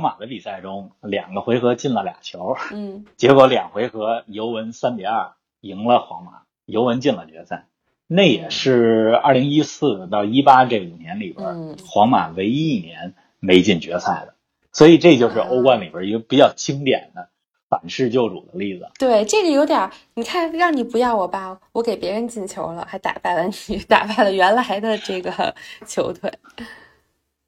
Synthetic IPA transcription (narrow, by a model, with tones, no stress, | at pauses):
wɑ˧˥ŋma˨˩d̪ə˦pi˨˩sa˥˩ɪʈ͡ʂʊ˥ŋljɑ̰˨˩ŋɡə˦xwe˧˥ɪxɤ˧˥t͡ɕi˥˩nlə˩lja̰˨˩ŋt͡ɕʰjo˧˥ʊt͡ɕjɛ˧˥kwɔ˧˥ljɑ˨˩ŋxwe˧˥ɪxɤ˧˥jo˧˥ʊwə˧˥nsa˥npjɛ̰˨˩ɐ˞˥˩ | i˧˥ŋlə˧xwɑ̰˧˥ŋma̰˨˩˦ | jo˧˥ʊwə˧˥nt͡ɕi˥˩nlə˩t͡ɕɥɛ˧˥t͡sʰa˥˩ɪ | na˥˩jɛ˨˩ʂɻ̩˥˩a̰˥˩li˧˥ŋi˥sɹ̩˥˧˩t̪ɑ˥˩ʊi˥pa˥ke˥˩ɪu˨˩njɛ˧˥nli˨˩bə̰˧˥xwɑ˧˥ŋma̰˨˩we˧˥ɪ˥i˥˩njɛ˧˥n | me˧˥ɪt͡ɕi˥˩nt͡ɕɥɛ˧˥t͡sʰa˥˩ɪd̪ə˩ | swɔ˧˥i˨˩ʈ͡ʂɤ˥˧t͡ɕjo˥˧ʊʂɻ̩˥˧ʔo˥ʊkwa˥˩nli˨˩bə˧˥i˧˥ɡə˧˩pi˨˩t͡ɕjɑ˥˩ʊt͡ɕʰi˥ŋt̪jɛ̰˨˩nd̪ə˦ | fa˨˩nʂɻ̩˥˧t͡ɕjo˥˩ʊʈ͡ʂṵ˨˩d̪ə˦li˥˩d͡zɹ̩˨˩t̪we˥˩ɪʈ͡ʂɤ˥˩ɡə˩jo˧˥ʊt̪jɑ˨˩˦ni˨˩kʰa˥˩nɻɑ˥˩ŋni˨˩pu˧˥jɑ˥˩ʊwɔ˨˩pa˥wɔ˧˥ke˨˩ɪpjɛ˧˥ɻə˧˥nt͡ɕi˥˩nt͡ɕʰjo˧˥ʊlə̰˧xa˧˥ɪt̪a̰˨˩pa˥˩ɪlə˩ni˨˩t̪a̰˨˩pa˥˩ɪlə˩ɥɛ˧˥nla˧˥ɪd̪ə˧ʈ͡ʂɤ˥˩ɡə˨t͡ɕʰjo˧˥ʊt̪ʰwe˥˩ɪ